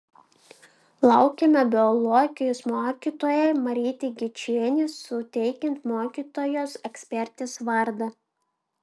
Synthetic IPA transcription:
lˠɑʊkʲemʲɛbʲɪɔlˠɔːɡʲɪjosmoːkʲiːt̪oːjɛɪmɐɾʲiːt̪ʲeɡʲɪt͡ʃʲeːnʲɪsʊt̪ʲɛɪkʲɪnt̪moːkʲiːt̪oːjoːsɛksʲpʲɛɾʲt̪ʲesʋɐɾd̪ɐ

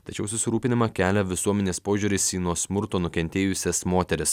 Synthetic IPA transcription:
t̪ɐt͡ʃʲɛʊsʊsʲɪɾuːpʲɪnʲɪmɐkʲæːlʲɛʋʲɪsuɔmʲɛnʲeːspoːʒʲuːɾʲɪsiːnuɔsmʊɾt̪oːnʊkʲɛnʲt̪ʲeːjʊsʲɛsmoːt̪ʲɛɾʲɪs

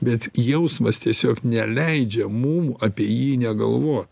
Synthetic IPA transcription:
bʲɛt̪jɛʊsmɐst̪ʲiɛsʲoːknʲɛlʲɛɪd͡ʒʲɛmuːmɐːpʲiɛjiːnʲɛɡɐ̰lˠʋoːt̪

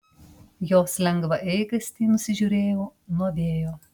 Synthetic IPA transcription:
joːslʲɛŋɡʋɐʔɛɪɡɐsʲt̪ʲiːnʊsʲɪʒʲuːɾʲeːjoːnuɔʋʲeːjoː

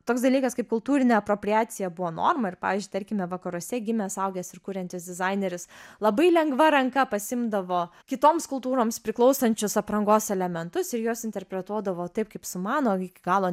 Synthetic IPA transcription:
t̪oːks̬d̪ɐlʲiːkɐskɐɪp̚kʊlˠt̪uːɾʲɪnʲɛːɐpɾoːpʲɾʲɪaːtsʲɪjɛbʊʋoːno̰ːrmɐɪɾpɑ̰ːʋʲizʲd͡ʒʲʊɪtɐɾʲkʲɪmʲɛʋɐkɐɾuɔsʲɛɡʲɪmʲɛːsɐʊɡʲɛːsɪɾkuːɾʲɛnʲt̪ʲɪsʲd̪ʲɪzɑɪnʲeɾʲʊslˠɐbɐɪlʲɛŋɡʋɐɾɐŋkɐpɐsʲɪmd̪ɐʋoːkʲɪt̪oːmskʊlˠt̪uːɾoːmspʲɾʲɪklˠɒʊsɐnʲt͡ʃʲʊsɐpɾɐŋɡoːsɛlʲɛmʲɛnt̪ʊsɪɾjoːsɪnʲt̪ʲɛɾʲpʲɾʲɛt̪uɔd̪ɐʋoːt̪ɐɪp̚kɐɪpsʊmɑːnoːɪkʲɪɡɑːlˠoː

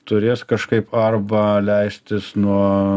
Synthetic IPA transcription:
t̪ʊɾʲeːskɐʃkɐɪpʰɐrbɐlʲɛɪsʲt̪ʲɪsnuɔ

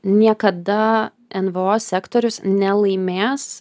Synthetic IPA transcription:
nʲiɛkɐd̪ɐ | ɛnʋɨoːsʲæːkt̪oːɾʲʊsnʲɛlˠɐɪmʲeːs

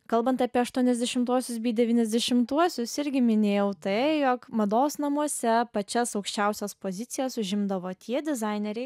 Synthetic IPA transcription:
kɐlˠbɐnt̪ɑːpʲiɛɐʃt̪uɔnʲɛzʲd̪ʲɛʃʲɪmt̪uɔsʲʊsbʲiːd̪ʲɛʋʲiːnʲɛzʲd̪ʲɛʃʲɪmt̪uɔsʲʊsɪɾʲɡʲɪmʲɪnʲeːjɛʊt̪ɐɪjoːkmɐd̪oːsnɐmuɔsʲɛpɐt͡ʃʲɛsɐʊkʃʲt͡ʃʲɛʊsʲɛspoːzʲɪt̪sʲɪjɛsʊʒʲɪmd̪ɐʋoːt̪ʲiɛd̪ʲɪzɑɪnʲeɾʲɛɪ

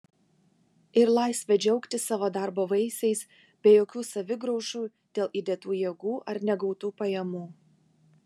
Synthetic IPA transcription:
ɪɾlˠɑˑɪsʲʋʲɛd͡ʒʲɛʊkt̪ʲɪsɑːʋoːd̪ɑˑɾboːʋɐɪsʲɛɪs | bʲeːjoːkʲuːsɐʋʲɪɡɾɔʊʃuː | d̪̥ʲeːlˠid̪ʲɛt̪uːjiɛɡuːʔɐɾnʲɛɡɒʊt̪uːpɐjɛmuː

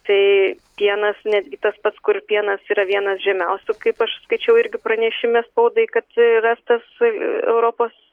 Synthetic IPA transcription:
t̪ɐɪ | pʲiɛnɐsnʲæːd̪ʲɡʲɪt̪ɐspɐt̪skʊɾpʲiɛnɐsiːɾɐʋʲiɛnɐsʒʲɛmʲɛʊsʲʊkɐɪpɐʃskɐɪt͡ʃʲɛʊɪɾʲɡʲɪpɾɐnʲɛʃʲɪmʲespɐʊd̪ɐɪkɐt̪rɑːst̪ɐsɛ̰ʊɾoːpoːs

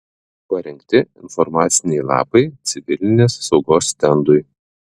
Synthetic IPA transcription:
pɐɾʲɛŋʲkʲt̪ʲɪɪ̰nfɔɾmɑːt̪sʲɪnʲɛɪlˠɑ̰ːpɐɪt̪sʲɪʋʲɪlʲɪnʲeːsːɒʊɡoːst̪ʲɛnd̪ʊj

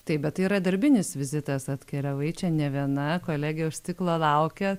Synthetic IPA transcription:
t̪ɐɪp̚bʲɛt̪t̪ːɐɪiːɾɐd̪ɐɾʲbʲɪnʲɪsʋʲɪzʲɪt̪ɐsɐt̪ʲkʲɛlʲɛʋɐɪt͡ʃʲɛnʲɛʋʲiɛnɐkoːlʲæːɡʲɪjɛʊʃʲst̪ʲɪklˠoːlˠɐʊkʲɛ

